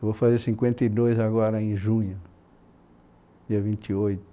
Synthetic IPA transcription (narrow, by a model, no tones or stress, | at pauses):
vofazeɾsĩŋkwẽnt̪ɐid̪ojzaɡɔɾɐẽʒũɲʊ | d͡ʒiɐvĩnt͡ʃ̪iojt̪ʊ